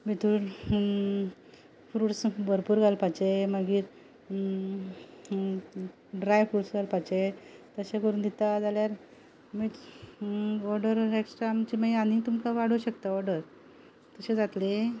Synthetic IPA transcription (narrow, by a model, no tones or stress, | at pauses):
bit̪uːɽ | fɾuːʈsbəɾpuːɾɡʱalpat͡ɕeməɡiːɾ | ɖɾajfɾuʈsɡʱalpat͡ɕet̪əɕẽkəɾuːnd̪it̪ad͡zaljaɾ | miː | ɔɾɖəɾeksʈaamt͡ɕiməanit̪umkaʋaɽ̤uɕəkt̪aɔɾɖəɾ | t̪əɕẽd͡zat̪le